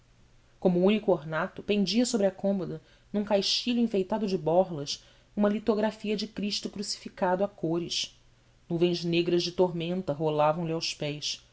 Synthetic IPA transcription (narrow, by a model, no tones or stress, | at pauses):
kõmuũnikʊoɾnat̪ʊpẽnd͡ʒiɐsobɾɪɐkõmod̪ɐ | nũkajʃt͡ʃiʎʊĩfejt̪ad̪ʊd͡ʒɪbɔɾlɐs | ũmɐlit̪oɡɾafiɐd͡ʒɪkɾiʃt̪ʊkɾusi̥fikad̪ʊakoɾɪʃ | nuvẽj̃zneɡɾɐzd͡ʒɪt̪oɦmẽnt̪ɐɦolavɐ̃w̃lɪawʃpɛjs